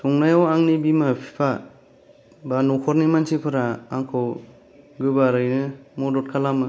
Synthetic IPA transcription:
tʰɔŋnajawaŋnibimapʰi̥pʰa | banɔkʰɔɾnimansʰipʰɯɾaːŋkʰɯw | ɡɯbaɾɯjnɯmɔdɔt̚kʰalamɯ

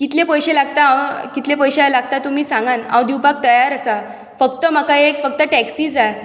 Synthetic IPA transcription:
kit̪lepəjɕelaɡt̪aãwkit̪lepəjɕelaɡ̚t̪at̪um̤iːsãŋɡanã̰wd̪iwpak̚t̪əjaɾəsa | fəkt̪əmakaeekfək̚t̪əʈɛksiːd͡zaj

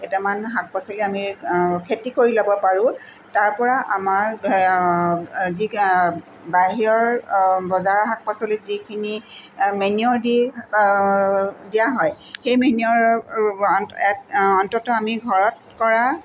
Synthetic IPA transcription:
ɛtɛmanɦak̚pasɔliamikʰetikoɹilɔbɔpaɹʊ̃ | taɹpɔɹaʔamaɹ | zi | baɦiɹɔɹbɔzaɹɦak̚pasɔlɛzikʰinimeniɔɹdi | dijaɦɔj | xejmeniɔɹ | ɛɔntɔtɔamiɡʱɔɹɔt̚ | kɔɹa

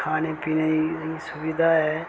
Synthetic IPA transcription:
kʰaːnepiːneiisʊbɪd̪ʱaɦɛ

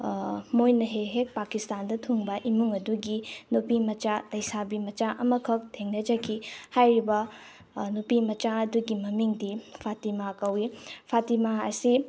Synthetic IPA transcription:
mojnɐɦeɦek̚pakistandɐtʰuŋbɐʔimuŋɐduɡinupimɐt͡ʃalɐjsabimɐt͡ʃaʔɐmɐkʰɐk̚tʰeŋnɐd͡ʒɐkʰihajɾibɐ | nupimɐt͡ʃaɐduɡimɐmiŋdipʰatimakɐwipʰatimaɐsi

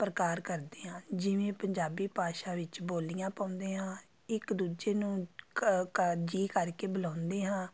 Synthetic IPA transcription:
pɾəkaːɾkəɾd̪eːɦãːd͡ʒɪʋẽːpəɲd͡ʒaːbiːpaːʃaːʋɪt͡ʃboːlijãːpaːʊ̃nd̪eːɦãː | ɪkd̪uːd͡ʒeːnũː | kəd͡ʒiːkəɾkeːbəlãːʊnd̪eːɦãː

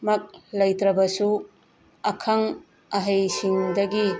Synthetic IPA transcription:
mɐk̚lɐjt̪ɾɐbɐsu | ɐkʰɐŋ | ɐɦɐjsiŋdɐɡi

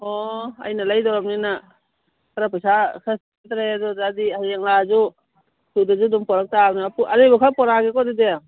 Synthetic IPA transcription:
ɔa̰jnalajdɔɾap̚nina | kaɾapajsasʰast | tɾaadɔzadihajaŋlazu | sudazudɔmpɔɾak̚tanapuʔaɾɯjbakʰapɔɾaɡekɔdidea

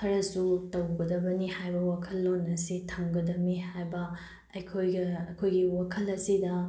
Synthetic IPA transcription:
kʰɐɾɐsutɐwɡɐdɐbɐnihajbɐwakʰɐlːonɐsitʰɐŋɡɐdɐmihajbɐ | ɐjkʰojɡɐɐkʰojɡiwakʰɐlɐsidɐ

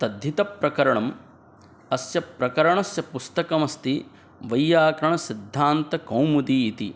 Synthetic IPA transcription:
t̪ɐd̪ʱːjit̪ɐpɾɐkɐɾɐɳɐm | ɐsjɐpɾɐkɐɾɐɳɐsjɐpust̪ɐkɐmɐst̪i | ʋɐjːaːkɾɐɳɐsid̪ʱːaːnt̪ɐkɐwmud̪iːt̪ḭ

